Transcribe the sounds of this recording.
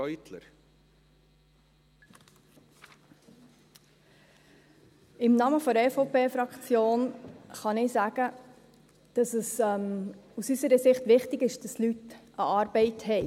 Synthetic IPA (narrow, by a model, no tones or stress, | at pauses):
ɔjt̪ʰlə̰ɾ | ɪmnɑməfɔɾɛfoʊpeːfɾɑkt͡sjoːnχɑnɪsæːɡ̥ə | d̥ɑsəsɛmusysəɾəsɪχtʋɪχtɪɡɪʃd̥ɑslytʔəɑːɾb̥ɛɪthɛɪ